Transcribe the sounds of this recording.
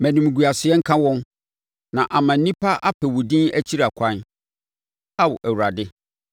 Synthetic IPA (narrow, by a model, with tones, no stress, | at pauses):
mæ̃˨nũ˨m˨ɡu˨a˨sɪ˨ɛ˦ŋ̩˦kʰã˦wɔ̃˦n | nã˨ʔa˨mã˨n̩˦nĩ˦pʰa˦ʔa˦pʰɛ˨wʊ˨dĩ˦næ˦t͡ɕʰi˦ɾa˨kʷʰã˦n | a˦wʊ̰˨ʔæ˨wu˨ɾa˨dɪ˦